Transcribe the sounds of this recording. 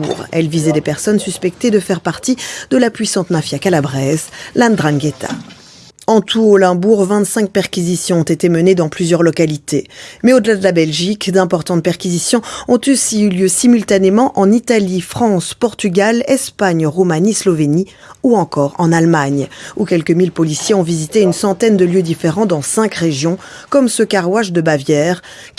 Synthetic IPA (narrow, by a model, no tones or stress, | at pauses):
uʁɛ̰lvizɛd̪epɛʁsɔnsyspɛk̚t̪ed̪əfɛʁpaʁt̪id̪əlapɥisɑ̃t̪mafjakalabʁɛzlɛ̃d̪ʁãɡet̪ʰa̰ | ɑ̃t̪ʰuolɛ̃buʁvɛ̃t̪sɛ̃k̚pɛʁkʲizisjɔ̃ɔ̃t̪et̪eməned̪ɑ̃plyzjœʁlɔkalit̪ʰemɛod̪əlad̪əlabɛlʒikd̪ɛ̃pɔʁt̪ɑ̃t̪̚pɛʁkʲizisjɔ̃ɔ̃t̪ysiyljøsimylt̪anemɑ̃ʔɑ̃nit̪alifχɑ̃spɔʁt̪yɡʲalɛspaɲʁumanislɔveni | uɑ̃kɔʁɑ̃nalmaɲukʲɛlkəmilpɔlisjeɔ̃vizit̪eynsɑ̃t̪ɛnd̪əljød̪ifeʁɑ̃d̪ɑ̃sɛ̃kʁeʒjɔ̃ | kɔmsəkaʁwaʒd̪əbavjɛʁ